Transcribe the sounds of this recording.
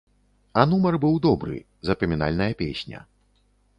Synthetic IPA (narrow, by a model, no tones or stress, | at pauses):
ɐnumɐrbɨwd̪ɔbɾɨ̰ | zɐpɾɐmʲina̰lʲnɐjɐpʲesʲnʲɐ̰